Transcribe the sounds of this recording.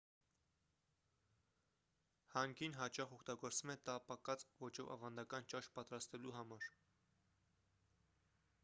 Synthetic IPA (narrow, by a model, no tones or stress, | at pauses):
hɑŋɡinɦɑt͡ʃɑχɔkʰt̪ɑɡɔɾt͡svumɛt̪ɑpɑkɑt͡svɔt͡ʃɔvɑ̰vɑnd̪ɑkɑnt͡ʃɑʃpɑt̪ɾɑst̪ɛluɦɑmɑɾ